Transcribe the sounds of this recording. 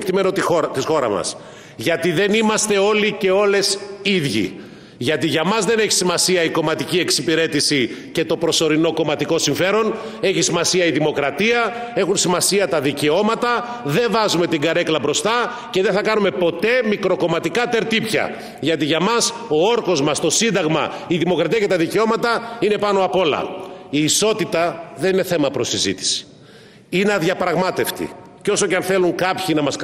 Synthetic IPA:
kt̪ime̞not̪iot̪isxo̞ɾɐ̰mɐ̰s | ʝɐt̪iðe̞nimɐst̪e̞o̞lice̞o̞le̞siðʝḭ | ʝɐt̪iʝɐmɐzðe̞ne̞çi̥simɐsiɐiko̞mɐt̪icie̞ksipiɾe̞t̪isice̞t̪o̞pɾo̞so̞ɾino̞ko̞mɐt̪iko̞siɱfe̞ɾo̞n | e̞çisimɐsiɐiðimo̞kɾɐt̪iɐ | e̞xunsimɐsiɐt̪ɐðice̞o̞mɐt̪ɐ | ðe̞ɱvɐzume̞t̪iŋɡɐɾe̞klɐbɾo̞st̪ɐ | ce̞ðeθɐkɐnume̞po̞t̪e̞mikɾo̞ko̞mɐt̪ikɐt̪e̞ɾt̪ipçɐ̰ | ʝɐt̪iʝɐmɐs | o̞o̞ɾko̞zmɐst̪o̞sind̪ɐɣmɐ̰iðimo̞kɾɐt̪iɐce̞t̪ɐðiceo̞mɐt̪ɐine̞pɐno̞ɐpo̞lɐ̰iːso̞t̪it̪ɐðe̞nineθe̞mɐpɾosizḭt̪i̥si̥ | inɐðʝɐpɾɐɣmɐt̪e̞ft̪ḭ | co̞so̞ceɐnθe̞luŋkɐpçinɐmɐs

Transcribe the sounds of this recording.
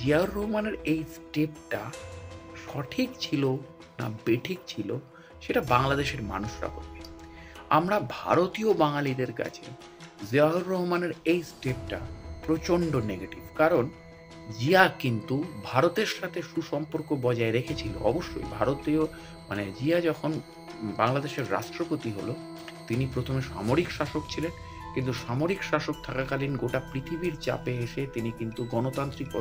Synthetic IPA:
d͡ʑiaɦoɾːɔɦomaneɾejsʈep̚ʈa | ʃɔʈʰikt͡ɕʰilo | na̰beʈʰik̚t͡ɕʰilo̰ | ʃeʈabaŋlad̪eʃeɾma̰nuʃɾa̰ko̰ɾbe | a̰mɾabʱa̰ɾot̪iobaŋalid̪eɾka̰t͡ɕʰḛ | ziaɦoɾːɔɦomaneɾejsʈep̚ʈa̰pɾot͡ɕoɳɖoneɡeʈibkaɾon | d͡ʑiakint̪ubʱaɾot̪eɾʃat̪ʰeʃuʃɔmpoɾkobɔd͡ʑaeɾekʰet͡ɕʰilo̰ɔ̰boʃːo̰jbʱaɾot̪eo | ma̰ned͡ʑiad͡ʑɔkʰon | baŋlad̪eʃeɾːa̰ʃʈɾopot̪iɦo̰lo | t̪inipɾot̪ʰomeʃa̰moɾikʃaʃokt͡ɕʰilen | kint̪uʃamoɾikʃaʃok̚t̪ʰakakalinɡoʈapɾit̪ʰibiɾt͡ɕa̰peeʃet̪inikint̪uɡɔnot̪ant̪ɾiko

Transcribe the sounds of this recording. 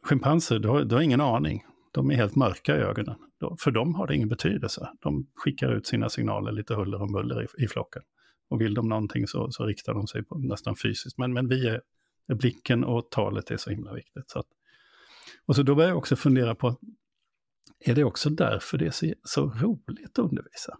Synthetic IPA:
ɧɪmpʰansəɾɖɔhad̪ɛhaɾɪŋːənɑːɳɪ̰ŋ | d̪̥ɔmæɾɦeːlt̪mœɾkaɪø̰ːɡɔnənd̪̥ɔfœɖɔmɦaɖɛɪ̰ŋːənbɛt̪ʰyːd̪əlsəd̪̥ɔmɧɪkːaɾʉ̟ːt̪siːna̰sɪŋnɑ̰ːləɾɭiːt̪əɦɵlːəɾɔmbɵlːə̰ɾɪ̰ɪflɔ̰kːən | ɔvɪld̪ɔmnɔnt̪ʰɪŋsɔ̰sɔɾɪkt̪aɖɔmsɛjpʰɔnɛst̪anfyːsɪskt̪mɛnmɛnviːa | blɪkʰːənɔt̪ʰɑːlət̪æ̰ʂɔhɪmlavɪk̚t̪ɪt̪sɔat̪ | ɔs̬ɔd̪ɔbœɾjaɔksɔfɵnd̪eːɾapʰɔat̪̚ | æɖɛɔksɔd̪æ̰ɾfœɖɛæsɔsɔɾuːlɪɡt̪ɔɵnd̪əɾviːsa

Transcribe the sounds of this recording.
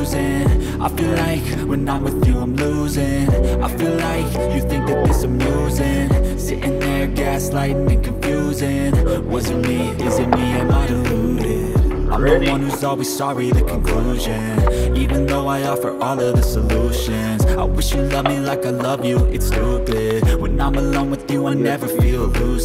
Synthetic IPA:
zɪ̃ŋ | aɪfilaɪk | wɨ̃nːət̚wɨðjɨãɪ̃mlu | zɪ̃ŋʔaɪfilaɪk | jɨθɪ̃ŋk̚ðɨt̪̚ðɪsmluzɪ̃ŋsɪɾʔɪ̃ŋðə˞ɡæslaɪɾ̃n̩ɨ̃kʰɨ̃ɱfjʉzɪ̃nwʌzɨ̃nmi | ɪzɨ̃nmiɨ̃naɪdɨɪ | a̰ɪdõʊ̃nwʌ̃nhʉzɔlˠwiz̥sɑɹiðɨkʰɨ̃n̩kʰl̥uʒɨ̃nivɨ̃nðoʊaɪɑfə̰˞ʔɔlˠʌvðɨsəluʃɨ̃nz̥aɪwɪʃjɨlʌvmilaɪkaɪlʌvjɨɨtstʰubɪdwɨ̃nãɪ̃məlõʊ̃nwɨðjɨaɪnɛvə˞filˠlus

